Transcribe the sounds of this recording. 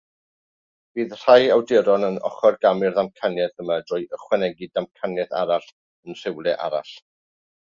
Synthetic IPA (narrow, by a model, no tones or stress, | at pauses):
b̥iːðr̥ajawdɪɾɔnənɔ̰χɔrɡamɨrðamkʰanjɛθəmadrʊːjəχwɛnɛɡidamkʰanjɛθa̰ɾaɬ | ənr̥ɪwlˠɛʔa̰ɾa̰ɬ